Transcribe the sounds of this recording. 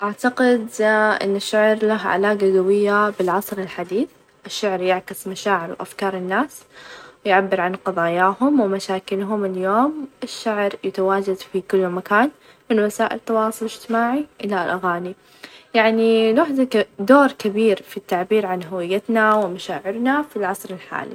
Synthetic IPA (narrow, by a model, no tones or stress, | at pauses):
ʔaʕt̪aqɪd̪ʔɪ̰nːaʃːaʕɾlaɦʕa̰laːɡaɡawɪjːabɪlʕɑsˤɾɪlħad̪iːθ | ʔɪʃːaʕɾjɪʕkɪsmaʃaːʕɪɾwʔa̰fkɑːɾˤɪnːaːswɪjʕabːɪɾʕanqɑðˤɑːjaːhʊmwɪmaʃaːkɪlɦʊmɪljoːmɪʃːaʕɾjat̪awaːd͡ʒad̪fikʊlːmakaːn | mɪnwasaːʔɪ̰lt̪ːɑwɑːsˤʊlɪd͡ʒt̪ɪmaːʕiʔɪlalʔaɣaːni | jaʕnilaħd̪ad̪oːɾkɪbiːɾfit̪ːaʕbiːɾʕanɦʊwɪjːat̪nawɪmaʃaːʕɪɾnafilʕɑsˤɾɪlħa̰ːlḭ